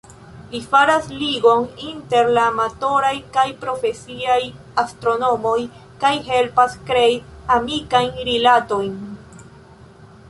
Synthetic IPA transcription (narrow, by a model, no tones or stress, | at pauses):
lifaɾasliɡo̞ninte̞ɾlaːmato̞ɾajkajpɾo̞fe̞siaj | astɾo̞no̞mo̞j | kajɦe̞lpaskɾeiamikajnɾilato̞jn